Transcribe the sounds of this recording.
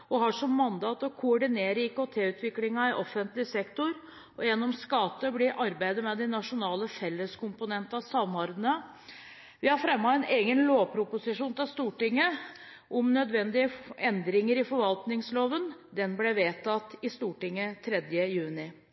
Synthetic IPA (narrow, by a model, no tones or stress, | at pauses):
ɔɦɑʂɔmːɑnd̪ɑːt̪ɔkʰʊɔɖɪneːɾəɪkot̪ʰeːʉːt̪ʰʋɪklɪŋɑɪʔɔfːənt̪lɪsɛkt̪ʊɾ | ɔjɛnːɔmskɑt̪ːəblɪʔɑɾbæɪd̪əmɛd̪ɛnɑʂʊnɑːləfɛlːəskʊmpʊnɛnt̪ɑsɑmːɔɾd̪ənə | ʋɪhɑɾfɾɛmːɑɛneːɡənloːpʰɾʊpʊsɪʂuːnt̪ɪlst̪uːʈɪŋːə | ʔɔmnœd̪ʋɛnd̪ɪəɛnd̪ɾɪŋəɾɪfɔɾʋɑlt̪nɪŋsloːʋənd̪ɛnblɛʋeːt̪ɑt̪ːɪst̪uːʈɪŋːət̪ʰɾɛd̪jəjʉːnɪ